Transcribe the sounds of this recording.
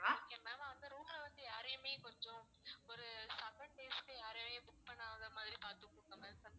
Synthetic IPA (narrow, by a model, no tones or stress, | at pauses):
oːkemɛːmaɐnd̪ɯɾuːmlɐʋɐnd̪ɯjaːɾɐːmeːkɔɲd͡ʒõ | ɔɾɯsɐkɐɳ̚ʈeːskejaːɾɐmeːbʊk̚pɐɳːãɐnd̪ɐmaːðɪɾipaːɾt̪ɯkːkːɐmɐ̃sɐn